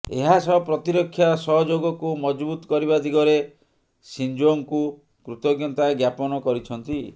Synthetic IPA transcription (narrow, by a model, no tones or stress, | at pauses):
ḛɦasɔpɾɔt̪iɾɔkʰːjasɔɦɔd͡ʒoɡɔkumɔd͡ʒbut̪ɔ̥kɔɾibad̪ʱiɡɔɾe | sind͡ʒoŋku | kɾut̪ɔɡjɔnt̪aɡjapɔnɔkɔɾit͡ʃʰɔnt̪i